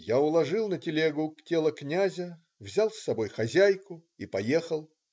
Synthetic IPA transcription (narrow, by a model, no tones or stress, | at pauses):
jaʊlˠɐʐɨlˠnətʲɪlʲeɡʊktʲelˠəknʲazʲə | vzʲalˠsːɐbo̞jxɐzʲæjkʊipɐje̞xəlˠ